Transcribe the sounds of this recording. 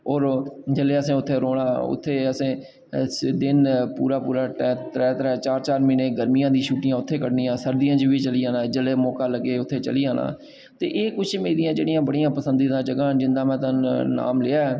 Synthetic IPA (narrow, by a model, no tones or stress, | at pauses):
ɔːɾd͡ʒəleːəsẽːʊt̪ʰːeːɾoːɽaːʊ̰t̪ʰːeːəsẽː | d̪ɪnpṵːɾaːpuːɾaːʈɛːt̪ɾɛːt̪ɾɛːt͡ʃaːɾt͡ʃaːɾmiːneːɡəɾmijãːd̪iːʃuːʈɪjãːʊt̪ʰːeːkəʈniːãːsəɾd̪ijãːt͡ʃʋiːt͡ʃəliːaːnãːd͡ʒəleːmɔːkaːləɡːeːʊt̪ʰːeːt͡ʃə̰liːaːna̰ː | t̪ḛːʔeːkʊt͡ʃʰmeːd̪ijãːd͡ʒeːɽijãːbəɽijãːpəsənd̪iːd̪ãːd͡ʒəɡãːd͡ʒɪnd̪aːmɛ̃ːt̪ãːna̰ːmleːaːɛː